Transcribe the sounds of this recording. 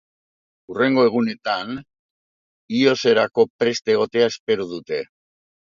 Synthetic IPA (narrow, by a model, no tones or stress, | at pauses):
ure̞ŋɡo̞e̞ɣ̞une̞t̪an | io̞se̞ɾako̞pɾe̞st̪eɣ̞o̞t̪e̞ae̞spe̞ɾuðut̪e̞